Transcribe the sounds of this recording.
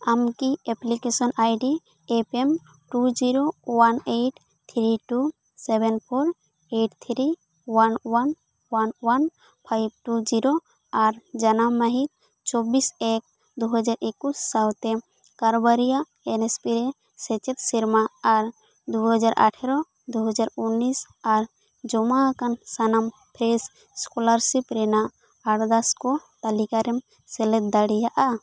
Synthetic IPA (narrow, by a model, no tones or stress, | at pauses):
amkieplikesɔnʔajɖi | epem | ʈud͡ʒiɾowanejʈʰ | t̪ʰɾiʈu | sebenpʰoɾ | eʈt̪ʰɾi | wanwan | wanwan | pʰajb̚ʈud͡ʒiɾo | aɾd͡ʒanamaɦik̚ | t͡ʃɔbisɛk̚ | d̪uɦɔd͡ʒaɾʔekusːawt̪ɛ | kaɾɔbaɾija | ɛnespiɾɛ | sɛt͡ʃɛt̪siɾmaːɾ | d̪uɦɔd͡ʒaɾʔa̰ʈʰɛɾɔ | d̪uɦɔd͡ʒaɾunːis | aɾ | d͡ʒɔmakansanam | pʰɾes | skɔlaɾsipɾɛna | aʈd̪askɔt̪alikaɾɛm | sɛlɛt̪̚d̪aɽijaʔa